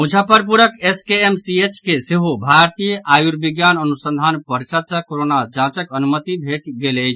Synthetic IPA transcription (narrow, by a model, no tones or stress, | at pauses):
mud͡ʒʱəpəɾpuɾəkeskeemsiet͡ʃkeseɦobʱaɾt̪ijəʔajuɾbiɡjanənusə̃nd̪ʱanpəɾisəd̪sə̃koɾonad͡ʒãt͡ʃəkənumət̪ibʱeʈɡelej